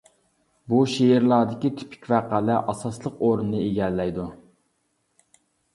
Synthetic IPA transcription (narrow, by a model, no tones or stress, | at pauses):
buʃeɾlˠɑːd̪ɪkʲit̪ʰy̥pʰi̥kʲvæːqælæʔɑsɑslˠəqoɾunnɨeɡʲɛlːɛjd̪u